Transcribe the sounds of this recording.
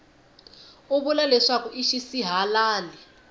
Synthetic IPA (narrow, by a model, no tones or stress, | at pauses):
uβulalɛʂakuʔiʃisiɦalaːli